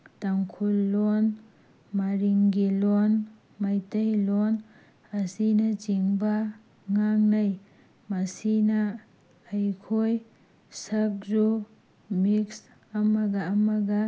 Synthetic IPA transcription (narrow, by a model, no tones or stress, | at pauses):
taŋkʰulːon | maɾiŋɡilon | majtɐjlon | ɐsinɐd͡ʒiŋbɐ | ŋaŋnɐj | mɐsinɐː | jkʰoj | sɐk̚zu | miks | ɐmɐɡɐːmɐɡɐ